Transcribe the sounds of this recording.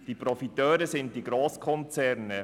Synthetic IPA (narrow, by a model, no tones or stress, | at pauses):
d̥ipɾɔfitœːɾəsɪnt̚tiɡɾoːskʰɔnt͡sɛɾnə